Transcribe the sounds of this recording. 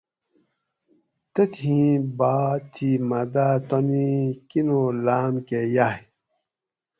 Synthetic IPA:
t̪et̪ʰĩbaːt̪ʰimad̪at̪anikinolaːmkejaj

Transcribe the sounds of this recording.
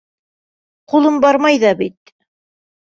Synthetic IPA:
qulˠɤmbɑɾmɑjðɑbit̪̚

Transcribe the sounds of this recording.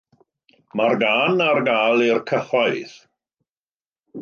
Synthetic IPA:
marɡaːnarɡaːlˠɪrkʰəχwajθ

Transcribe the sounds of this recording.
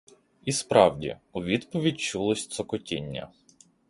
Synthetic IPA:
ispɾɑwdʲḭʊʋʲid̪pɔʋʲidʲt͡ʃulˠɔsʲt̪sɔkɔtʲinʲːɐ̰

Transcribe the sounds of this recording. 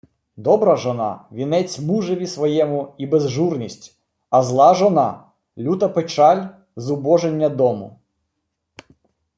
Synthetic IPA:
d̪ɔbɾɐʒɔnɑ̰ʋʲinɛt͡sʲmuʒeʋʲisʋɔjɛmʊibezʒurnʲisʲtʲ | ɐzlˠɑʒɔnɑ | lʲut̪ɐpet͡ʃɑlʲ | zʊbɔʒenʲːɐd̪ɔmʊ̰

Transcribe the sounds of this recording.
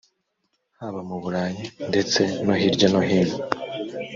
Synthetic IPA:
haβamuβuɾaːjinde̞t͡se̞noɦiɾɟonoɦiːɾjo

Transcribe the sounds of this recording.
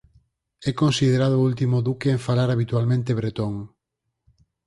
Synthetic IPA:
ɛkõnsið̞eɾaðoult̪imoðukeːɱfalaɾaβ̞it̪ualmẽnt̪eβɾet̪oŋ

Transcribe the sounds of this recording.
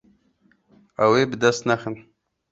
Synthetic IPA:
awebd̪ast̪naxən

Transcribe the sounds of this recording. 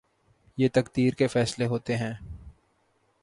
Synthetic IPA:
jeːt̪ɐkd̪iːɾkefɛːsleɦoːt̪eɦɛ̃ː

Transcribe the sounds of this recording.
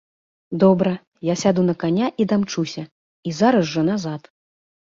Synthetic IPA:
d̪ɔbɾɐ | jasʲad̪unɐkanʲaʔid̪amt͡ʂusʲɐ | izaɾɐsʐɐnazat̪

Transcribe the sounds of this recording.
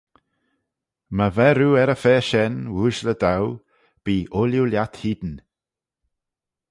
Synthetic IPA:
məvɛɾuːɛɾəfɛːʃɛnwuːʒləd̪aw | b̥iːʔʊljuljat̪hiːd̪n̩

